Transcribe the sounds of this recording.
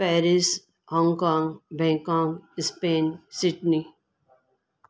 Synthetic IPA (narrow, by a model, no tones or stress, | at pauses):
pɛːɾɪs | hɔ̃ːŋkɔ̃ːŋɡbɛ̃ːŋkɔ̃ːŋɡspẽːnsɪɖni